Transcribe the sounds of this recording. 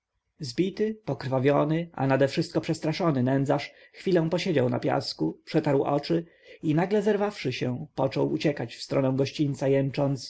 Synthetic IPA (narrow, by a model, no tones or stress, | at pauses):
zbʲit̪ɘpɔkɾfavʲjɔnɘʔa̰nad̪ɛfʂɘst̪kɔpʂɛst̪ɾaʂɔnɘnɛnd̪zaʂ | xfʲilɛ̃w̃pɔɕed͡ʑawna̰pʲja̰skupʂɛt̪aɾwʔɔ̰t͡ʂɘ | inaɡlɛzɛɾvafʂɘɕɛpɔt͡ʂɔwut͡ɕɛkat͡ɕfst̪ɾɔnɛw̃ɡɔɕt͡ɕint̪sajɛnt͡ʂɔnt̪s